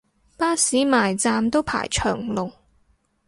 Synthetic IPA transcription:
paː˥siː˨˥maː˨˩jt͡saː˧mt̪o˥wpʰa̰ː˨˩jt͡ʃʰœ̰ː˨˩ŋlʊ˨˩ŋ

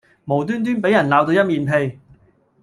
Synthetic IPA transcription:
mo˨˩wt̪̬yː˥nt̪̬yː˥npe˨˥jɐ˨˩nlaː˨˧wt̪o˧wjɐ˥t̚miː˨˧npʰe˧j

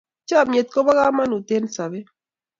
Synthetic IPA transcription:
t͡ʃa˦˨mje˨t̪̚ko˦ba˦ɣa˦ma˦nu˨t̪e˦nsa˨βe˦

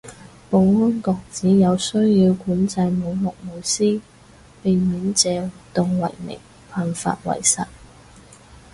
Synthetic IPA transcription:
po˨˧wŋʊ˥nkɔː˧k̚t͡siː˨˥jɐ˨˧wsɵ˥ɥjiː˧wkuː˨˥nt͡sɐ˧jmo˨˧wlɔ˨k̚mo˨˩wsiː˥ | pe˨jmiː˨˥nt͡sɛː˨˧wu˨t̪ʊ˨ŋwɐ̰˨˩jmɪ̰˨˩ŋ | pʰaː˨nfa̰ː˧t̚wɐ̰˨˩jsɐ̰˨t̚

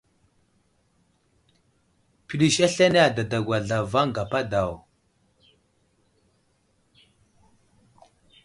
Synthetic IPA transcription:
pi˨ɗi˨ʃa˦ɬa˦n˦a˨da˨da˨ɡwa˨ɮa˨va˦ŋ˨ɡa˨pa˦da˨w

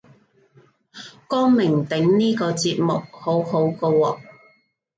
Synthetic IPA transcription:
kɔː˥ŋmɪ˨˩ŋt̪ɪ˨˥ŋniː˥kɔː˧t͡siː˧p̚mʊ˨k̚ho˨˥who˨˥wko˧wɔː˨˧

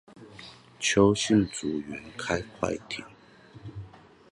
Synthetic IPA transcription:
t͡ɕʰjo˧˦ʊɕi˥˨nt͡su˨˩ɥɛ˨˦nkʰa˦ɪkʰwa̰˥˧˨ɪt̪ʰḭ˨˩˦ŋ

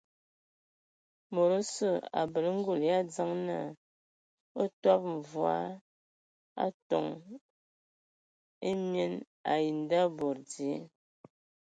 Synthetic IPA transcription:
mo˨ɾo˦sə˦˨a̰˨bə˨ɾŋ̩˦ɡu˨lja˦˨d͡za˦ŋna˦˨ | o˦twa˦p̚ɱ̩˨vwa̰˦ | a̰˦tɔ˨ŋ | e˦mje˦n | a˨ji˨n˨˦da˦bɔ˨ɾdi˨e˦

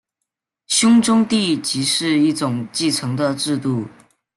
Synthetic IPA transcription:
ɕjʊ˥ŋʈ͡ʂʊ˥ŋt̪i˥˩t͡ɕi˧˥ʂɻ̩˥˧i˥˩ʈ͡ʂʊ˨˩ŋt͡ɕi˥˩ʈ͡ʂʰɤ˧˥ŋd̪ə˧ʈ͡ʂɻ̩˥˧t̪u˥˩

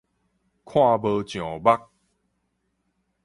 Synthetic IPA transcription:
kʰw̃ã˥˧˨bə˧t͡ɕj̃ɔ̃˨˩ba˦k̚

